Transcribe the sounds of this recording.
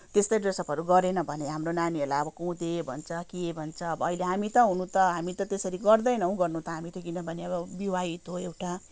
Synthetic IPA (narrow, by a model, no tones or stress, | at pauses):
t̪est̪ʌjɖresʌpʌɾuɡʌɾenʌbʱʌneɦamronanielaʌbʌkõũd̪ebʱʌnt͡sʰʌkibʱʌnt͡sʰʌːbʌːileɦamit̪ʌɦunũt̪ʌɦamit̪ʌt̪esʌɾiɡʌrd̪ʌjnʌũɡʌrnũt̪ʌɦamit̪ʌɡinʌbʱʌneʌbʌbiwait̪ɦoewʈa